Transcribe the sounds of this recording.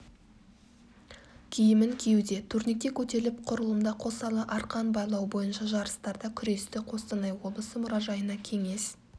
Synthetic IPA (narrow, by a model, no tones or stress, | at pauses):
kʲʰijɪmɪŋkʲʰejd̪e̞t̪ʰuɾnik̚t̪ekʲʰɵt̪e̞lɪp̚qʰʊɾəlˠəmd̪ɑqʰo̞sɑlˠəʔɑɾqʰɑnbɑjlˠɑwbo̞jənʃɑʒɑɾəst̪ɑɾd̪ɑkʲʰʏɾe̞st̪ɪqʰo̞st̪ɑnɑjwo̞b̪ˠəsəmʊɾɑʒɑjənɑkʲʰe̞ŋe̞s